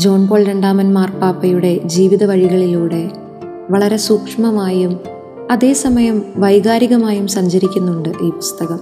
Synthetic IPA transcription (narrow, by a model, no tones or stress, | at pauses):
d͡ʑo̞ːɳpo̞ːɭɾe̞ɳɖaːmɐnmaːrpaːpːɐjuɽe̞d͡ʑiːʋiðɐʋɐɻiɣɐɭiluːɽe̞ | ʋɐɭɐɾe̞suːkʂɐmɐmaːjum | ɐðe̞ːsɐmɐjɐmʋɐjɣaːɾiɣɐmaːjumsɐɲd͡ʑɐɾikʲːunːuɳɖɨʔiːpu̥st̪ɐɣɐm